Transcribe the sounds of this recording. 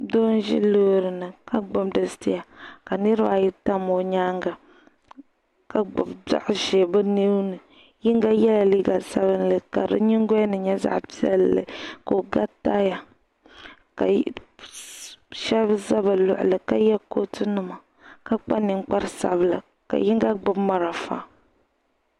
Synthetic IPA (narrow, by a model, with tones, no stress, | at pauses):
do˦n˦ʒḭ˦loː˦ɾɨ˨nɨ˨ka˦ɡ͡bo˦mdɨ˨sti˦ja˨ka˨ne˦ɾɨ˦ba˨ji˦ta˦mːo˨ɲaː˦ŋɡa˨ | ka˨ɡ͡bo˨bda̰˦ʔʒe˨bɨ˦ne˦wnɨ˨ | ji˦ŋ˦ɡa˦jɛ˦la˨li˦ɡa˨lsa˦βɨ˦nlɨ˨ka̰˨ɾɨ̰˦ɲi˦ŋ˦ɡo˦nɨ˨ɲɛ˦za̰˦ʔpi˦ɛ̰˦lːɨ̰˨ko˨ɡa˦ta˦ja˨ | ka̰˨ | ʃɛ˦bza˦ba˨lʊ̰˨ʔʊ̰˨lɨ˨ka˦jɛ˦ko˦tɨ˦nɨ˦ma˨ | ka˦k͡pa˦nɨ˨ŋ˦k͡pa˦ɾsa̰˨bɨ˨la˨ | ka̰˨ji˦ŋ˦ɡa˦ɡ͡bʊ˦bma˨ɾa˨fa̰˦